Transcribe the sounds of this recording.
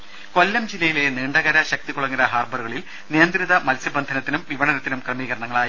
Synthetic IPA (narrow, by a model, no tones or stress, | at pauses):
ko̞lːɐmd͡ʑilːɐjile̞niːɳɖɐɣɐɾɐɕɐk̚t̪ikoɭɐŋːiɾɐɦaːrbɐɾuɣɐɭil | nijɐnd̪ɾiðɐmɐlsjɐbɐnd̪ʱɐnɐt̪ːinumʋiʋɐɳɐnɐt̪ːinumkrɐmiːɣɐɾɐɳɐŋːɐɭaːji